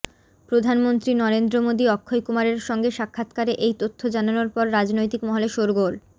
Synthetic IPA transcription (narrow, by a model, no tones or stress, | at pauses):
pɾod̪ʱanmont̪ɾinɔɾend̪ɾomod̪iɔkʰːojkumaɾeɾʃɔŋɡeʃakʰːat̪kaɾeʔejt̪ot̪ʰːod͡ʑananoɾpɔɾːad͡ʑnojt̪ikmɔɦoleʃoɾɡol